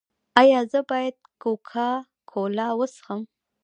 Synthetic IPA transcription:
ajɑzəbɑjad̪̚kokʰa | kʰolɑwəsxəm

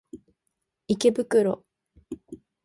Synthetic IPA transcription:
ike̞bɯkɯ̟ɾo̞

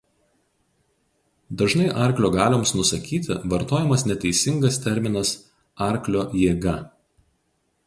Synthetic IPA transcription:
d̪ɐʒnɐɪʔɑˑɾʲklʲoːɡɑːlʲoːmsnʊsɐkʲiːt̪ʲɪ̰ʋɐɾt̪oːjɛmɐsnʲɛt̪ʲɛɪsʲɪŋɡɐst̪ʲɛɾʲmʲɪnɐs | ɑˑɾʲklʲoːjeːɡɐ

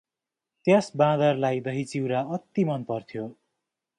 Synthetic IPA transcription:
t̪jasbãd̪ʌrlajd̪ʌɦit͡siwɾaʌt̪ːimʌnpʌrt̪ʰjo

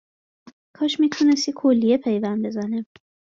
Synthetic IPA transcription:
kʰɒːʃmiːt̪ʰunest̪ikʰolːijepʰe̞jvæn̚bezæne

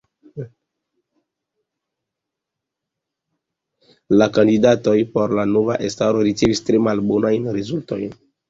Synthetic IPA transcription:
lakandidato̞jpo̞ɾlano̞va̰ʔestaɾo̞ɾit͡se̞vistɾe̞malbonajnɾezulto̰jn

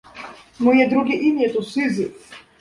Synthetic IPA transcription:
mɔjɛd̪ɾuɡʲiʔinʲjɛt̪usɨzɨ

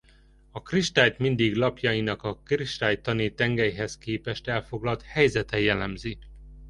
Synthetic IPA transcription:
ɒkriʃt̪aːjt̪mind̪iɡlɒpjɒjinɒkɒkriʃt̪aːjt̪ːɒnit̪ɛŋɡɛjɦɛskeːpɛʃt̪ɛlfo̞ɡlɒlt̪hɛjzɛt̪ɛjɛlɛmzi

